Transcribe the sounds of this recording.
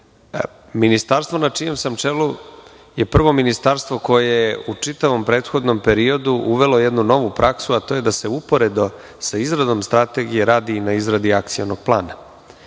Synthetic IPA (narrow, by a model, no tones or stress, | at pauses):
minist̪aːɾst̪vo̞nat͡ʂije̞msamt͡ʂelu | je̞pr̩ʋo̞minist̪aɾst̪ʋo̞ko̞jejeut͡ʂit̪aʋo̞mpɾe̞ːt̪xo̞d̪no̞mpe̞ɾio̞d̪uʔuʋe̞lo̞jed̪nuno̞ʋupɾʔaksuat̪o̞ːje̞d̪ase̞upo̞ɾe̞d̪o | saizɾad̪o̞mst̪ɾat̪e̞ɡijeɾaːd̪inaizɾad̪iak̚t̪sionoɡ̥̚plˠa̰ːna